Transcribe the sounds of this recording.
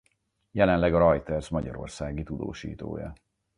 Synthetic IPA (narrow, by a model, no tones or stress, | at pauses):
jɛlɛnlɛɡɒɾɒjt̪ɛrzmɒɟɒɾo̞̰rsaːɡit̪ud̪o̰ːʃiːt̪o̰ːjɒ̰